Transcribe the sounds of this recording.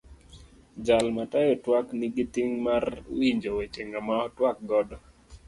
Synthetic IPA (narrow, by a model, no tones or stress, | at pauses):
d͡ʒalmatajɔtwakniɡitiŋmarwiɲd͡ʒowet͡ʃeŋamaɔtwak̚ɡɔdɔ